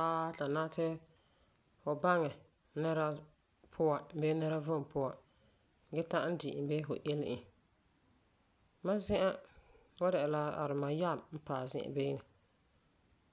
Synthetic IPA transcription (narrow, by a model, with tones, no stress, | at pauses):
aː˦ta˨naː˦tʰɪ˦ | fʊ˨ba˦ŋɛ˨ | nɛ˦ɾa˦ | pʰʊ˦a˨m̩˨bɛ˦nɛ˦ɾa˦vʊ˦m˨pʊ˦wa˨ | ɡɛ˦ta˦n̩˦dɪ˨ʔɪ˨˦bɛ˦fʊ̰˨ʔɪ˦lɪ˦˨ʔɪ˨ | ma˦zɪ̃˦ʔa˦ | wa˦dɛ˨ɛ˨la˦a̰˨ɾɪ˨ma˨ja˦˨mm̩˦paː˨zɪ̰˦˨ʔa̰˨beː˦nɪ˨